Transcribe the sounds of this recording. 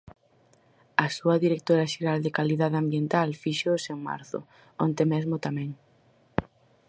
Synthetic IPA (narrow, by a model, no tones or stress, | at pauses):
asuɐðiɾek̚t̪oɾɐʃeɾald̪ekaliðaðeambjent̪alfiʃoseŋma̰ɾθʊ̰ | ont̪emɛzmʊt̪amɛ̃ŋ